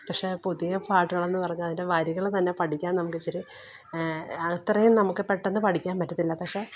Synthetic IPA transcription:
pɐkʂe̞puðijɣɐpaːʈːuɣɐɭe̞nːɨpɐrɐɲːuɐðindeʋɐɾiɣɐɭt̪ɐnːe̞pɐʈʰikʲːaːnnɐmukːɨt͡ɕːɐɾi | ɐt̪rɐjumnɐmukːɨpe̞ʈːenːɨpɐʈʰikʲːaːnmɐtːɐt̪ːilːɐpɐkʂe̞

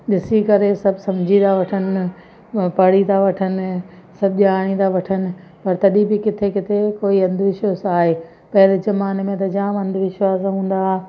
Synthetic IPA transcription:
ɗɪsikɐɾesɐbʱsɐ̃md͡ʑʱĩd̪aʋɐʈʰənɪ̆ | pɐɽit̪aʋɐʈʰənɪ̆ | sɐbʱʄaːɽ̃ĩnd̪aʋɐʈʰənɪ̆ | pɐɾt̪ɐɗĩbɪkɪt̪ʰekɪt̪ʰekoːiɐ̃nd̪ʱʋɪʃəsaːɦeː | pɐɦɪɾɪzɐmaːnmẽt̪ɐd͡ʑãːʋɐ̃nd̪ʱʋɪʃwaːzɦũːn̆d̪aː

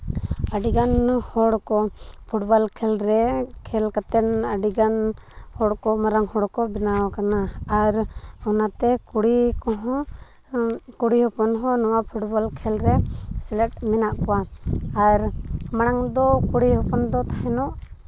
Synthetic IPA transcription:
aɖiɡanhɔɽkɔpʰuʈbalkʰɛlɾɛkʰɛlkat̪ɛnaɖiɡan | hɔɽkɔmaɾaŋhɔɽkɔbɛnawakanaːɾɔnat̪ɛkuɽikɔɦɔ | kuɽihɔpɔnɦɔ̃nɔwapʰuʈbɔlkʰɛlɾɛsɛlɛʈ̚mɛnaʔkɔwaaɾmaɽ̃aŋd̪ɔkuɽihɔpɔnd̪ɔt̪ʰaɦɛnɔʔ

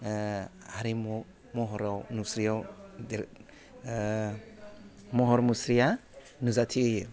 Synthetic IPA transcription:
haɾimɔ | mɔɦɔɾawnusɾiawd | mɔɦɔɾmusɾija | nuzatʰiɯj

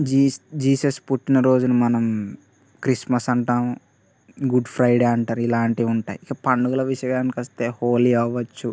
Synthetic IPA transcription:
d͡ʒid͡ʒiːsɐspuʈːinɐɾo̞ːd͡ʒunɐmɐnɐm | kɾismɐsɐɳʈaːm | ɡuɖpʰɾɐjɖeːɐɳʈaːɾuilaːɳʈiuɳʈaːjikːɐpɐɳɖuɡulɐʋiʂɐɡaːnikɐst̪eːhoːliɐʋɐt͡ʃːu

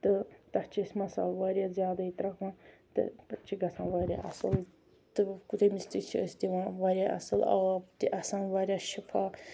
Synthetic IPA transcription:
t̪ɨt̪ɐt͡ʃʰisʲmɐsa̰ːlʋaːɾʲjazjaːd̪ait̪ɾɐkã | t̪ɨ̰pɐt͡ʃʰiɡɐsʰãːʋaːɾʲja̰ʔɐ̰sɨl | t̪ɨkut̪emist̪it͡ʃʰist̪ʲiʋãʋaːɾʲjaʔɐ̰sɨlɐ̰t̪iʔɐsãːnʋaːɾʲjaːʃipʰaː

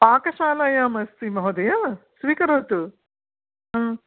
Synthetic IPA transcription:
paːkɐʃaːlaːjaːmɐst̪imɐɦod̪ɐjaːsʋiːkɐɾoːt̪u | ɦãː

